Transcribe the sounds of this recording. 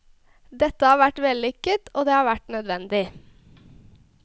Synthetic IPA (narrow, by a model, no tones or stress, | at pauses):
d̪ɛt̪əhɑːʋæʈʋeːlɪkət̪ʔoːd̪eːhɑːʋæʈnœd̪ʋɛnd̪ɪ